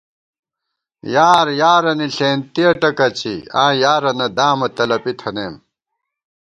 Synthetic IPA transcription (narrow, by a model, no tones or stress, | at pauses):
jaːɾjaːɾɐniɬeːnt̪iɐʈɐkɐt͡ɕʰḭã̰ːjaːɾɐnɐd̪aːmɐt̪ɐlɐpit̪ʰɐneːm